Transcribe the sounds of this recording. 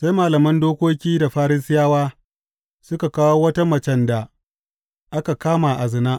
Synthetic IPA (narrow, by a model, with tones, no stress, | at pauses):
sa˦jmaː˨lɐ˨mɐ˦ndoː˦kʷoː˦kʲiː˦da˨ɸaː˦ɾɪ˦sɪ˦jaː˦waː˦ | sʊ˦ka˨kaː˦woː˦wɐ˦ta˦mɐ˨t͡ʃɛ˦nda˨ | ʔa˦ka˨kaː˦ma˨ʔa˨zɪ˨naː˦ʔ